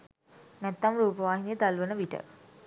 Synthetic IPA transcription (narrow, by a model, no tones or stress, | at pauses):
nɛt̪ːɐmɾuːpɐʋaːɦinjɐt̪ɐlʋɐnɐʋiʈə̰